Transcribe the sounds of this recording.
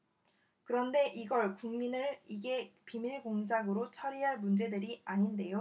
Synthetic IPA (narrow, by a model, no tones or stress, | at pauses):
kɯɾʌnde̞ʔiɡʌɭkuŋminɯɭiɡe̞pimiɭɡoŋd͡ʑaɡɯɾot͡ɕʰʌɾiɦaɭmund͡ʑe̞dɯɾiaɲinde̞jo